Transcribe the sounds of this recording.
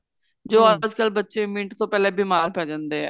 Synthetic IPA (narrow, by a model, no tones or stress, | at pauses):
d͡ʒoːəd͡ʒkəlbətːʃemĩːʈt̪õːpɛːleːbimaːɾpɛːd͡ʒãnd̪eːɛ̰ː